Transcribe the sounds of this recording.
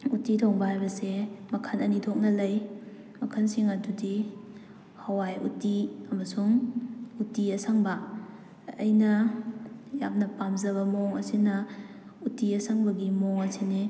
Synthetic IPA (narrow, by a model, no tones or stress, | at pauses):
utitʰoŋbɐhajbɐsemɐkʰanɐnitʰok̚nɐlɐj | mɐkʰansiŋɐdudi | hɐwajṵtiɐmɐsuŋutiɐsaŋbɐ̰ː | jnɐ | jap̚nɐpamzɐβɐmoŋɐsinɐ | utiɐsaŋbɐɡimoŋɐsini